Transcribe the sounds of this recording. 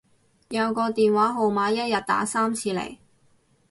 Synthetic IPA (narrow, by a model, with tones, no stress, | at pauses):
jɐ˨˧wkɔː˧t̪iː˨nwaː˨˥ɦo˨˩wmaː˨˥jɐ˥t̚jɐ˨t̚t̪a̰ː˨˥saː˥mt͡sʰiː˧lḛ˨˩j